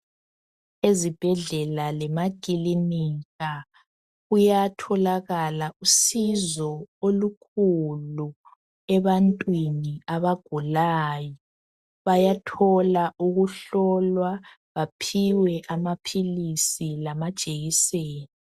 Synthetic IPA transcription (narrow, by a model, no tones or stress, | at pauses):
ezib̥ʱɛɮɛlalɛmaɡ̥ʱilimiɣa | ujatʰɔlaɣalaʔusizɔolukʰulu | ɛβantʼwiniaβaɡ̥ʱulaːjɔ | βajatʰɔlaʔuɣuɬɔlwa | βapʰiwɛʔamapʰilisilamad̥ʒ̥ʱʼeɣiseːni